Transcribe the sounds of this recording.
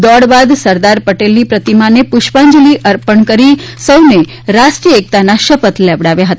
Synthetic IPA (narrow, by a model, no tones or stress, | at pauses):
d̪ɔɽbad̪səɾd̪aɾpəʈelnipɾət̪imanepʊʃpãɲd͡ʒliʔəɾpəɳkəɾisəwne | ɾasʈɾijəek̚t̪anaʃəpət̪leʋɽaʋjaɦət̪